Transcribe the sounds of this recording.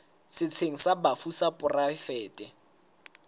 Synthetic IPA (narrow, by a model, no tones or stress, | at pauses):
sɪt͡sʰeŋ̩sabafusapʼʊrafɛːtʼɪ